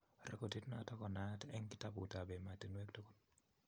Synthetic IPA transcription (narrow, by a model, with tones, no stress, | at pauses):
ɾɛ̰˦ko˨ti˦tna˨tɔ˦kɔ˨na˨˦tɛ˦ŋkɪ˦ta˦bʊ˨ta˨bɛ˨ma˨te˨nwe˦ktɔ˦kɔ˦n